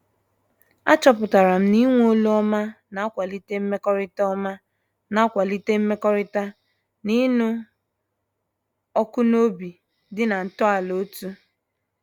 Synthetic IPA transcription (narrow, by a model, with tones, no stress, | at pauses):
a̰˦t͡ʃɔ˨pʊ˨ta˨ɾa˨m̩˦ni˦ŋʷ˦o˦lo˦ɔ˦ma˦na˨a˦kʷa˨li˦te˦m̩˦me˦kɔ˦ɾɪ˦tɔ˦ma˦ | na˨a˦kʷa˨li˦te˦m̩˦me˦kɔ˦ɾɪ˦ta˦ | ni˦nu˦ | ɔ˦kʊ˦no˦bi˨ | dɪ˦na˨n̩˨tɔ˦a˨lo˨˦tu˦